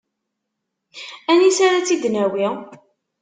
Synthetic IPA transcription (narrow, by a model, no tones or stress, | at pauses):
ænisaɾat͡sːid̪næwi